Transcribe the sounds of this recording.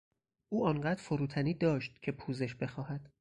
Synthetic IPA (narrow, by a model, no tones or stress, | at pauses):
ʔuːɒːŋɢæːd̪ɾfoɾuːt̪ʰæniːd̪ɒːʃt̪̚cʰe̞pʰuːze̞ʃbe̞xɒːhæd̪̥